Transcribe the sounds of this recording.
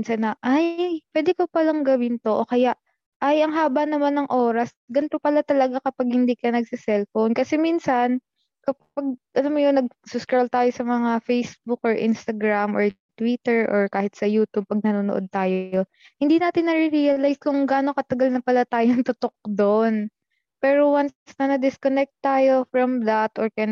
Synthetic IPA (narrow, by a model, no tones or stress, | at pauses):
nsɐnːɐʔajpwɛːd̪ɛkopɐlaŋɡɐwɪnt̪oʔokɐjaʔ | ʔajɐŋɦaːbɐnɐmanːɐŋʔo̞ːɾɐs | ɡɐnt̪opɐlat̪ɐlɐɡakɐpaɡ̚hɪnd̪iːkɐnɐɡ̚sɪsɛlfownkɐsɛminsɐn | kɐpaɡ̚ʔɐlamːojonɐɡ̚sʊskɹɛlt̪aːjo̞sɐmɐŋafejsbukʔoɹʔɪ̰nst̪ɐɡɹamʔoɹ | t̪wit̪ɛɹʔoɹkaːhɪt̪̚sɐjuːt̪ub̚pɐɡ̚nɐnoːnoʔo̞d̪̚t̪aːjoo̞ | hɪnd̪iːnaːt̪ɪnːɐɾɪɾiɐlajskoŋɡaːno̞kɐt̪ɐɡalnɐpɐlat̪aːjoŋt̪ʊt̪ok̚d̪on | pɛːɾo̞wansnɐnɐd̪ɪskonɛk̚t̪ːaːjo̞fɹɐmd̪ɐt̪ʔoɹkɐja